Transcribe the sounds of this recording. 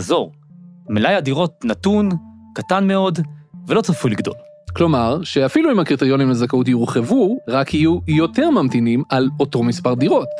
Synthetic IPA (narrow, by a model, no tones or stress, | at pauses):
zo̞ʁ | melajadiʁo̞t̚natun | katanme̞o̞dvelo̞t͡safuliɡdo̞̰l | klo̞maʁʃe̞afiluimhakʁit̪eʁjo̞nimazakaut̬juʁχe̞vuʁakhijujo̞te̞ʁmamtinimalo̞to̞mispaʁd̪iʁo̞t